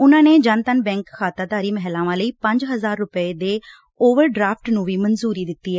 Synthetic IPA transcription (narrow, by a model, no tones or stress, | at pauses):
ʊnãːneːd͡ʒənt̪ənbɛ̃ːŋkʰːaːt̪aːd̪aːɾiːməɦɛlãːʋãːləiːpə̃ɲd͡ʒɦəzaːɾːʊpəeːd̪eː | oːʋəɾɖɾaːpʈnũːʋiːmənzuːɾiːd̪ɪt̪ːiːɦɛː